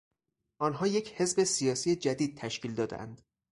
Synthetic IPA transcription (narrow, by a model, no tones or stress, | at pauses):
ʔɒnɦɒːje̞cʰhe̞zbesijɒːsiːjed͡ʒæd̪iːd̪̚t̪ʰæʃkcʰiːld̪ɒːd̪̰ʔæ̰nd̪